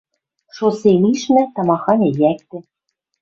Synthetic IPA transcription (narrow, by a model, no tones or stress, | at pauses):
ʃoseniʃmæ̆t̪ɑmɑxɑnʲĕjæk̚t̪ɘ̆